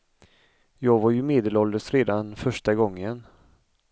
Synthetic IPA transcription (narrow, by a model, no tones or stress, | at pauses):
jɑːɡvaɾjɵmeːd̪əlɔld̪əʂɾeːd̪anfœʂʈaɡɔŋːən